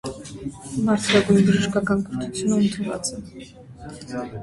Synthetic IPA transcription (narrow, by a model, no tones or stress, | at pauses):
mɑɾt͡s̪ʰɾaɡujbəʒəʃkakɑnkɔɾt̪ʰut͡sʰjunəunt̪ʰəvɑ̰t͡sɛ